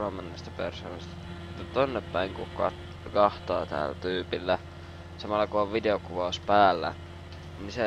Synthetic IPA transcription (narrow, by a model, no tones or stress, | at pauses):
ɑmːɑnːɑst̪æ̥persoːnɑst̪ | ut̪ːɑt̪onːeppæiŋkukɑ | kɑht̪ɑ̰ːt̪æ̰ːlt̪yːpilːæ | sɑmɑlːɑkuoʋʋideokuʋɑuspæːlːæ̰ | ninse